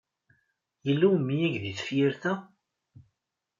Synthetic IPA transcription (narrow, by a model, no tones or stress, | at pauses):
jəlːuwmːijæʝðiθə̥fjɪɾθæ